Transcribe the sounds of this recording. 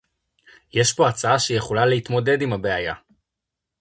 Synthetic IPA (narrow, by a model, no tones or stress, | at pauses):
jeʃpo̞at͡saaʃeje̞χo̞laleit̪mo̞de̞dimhabe̞aja̰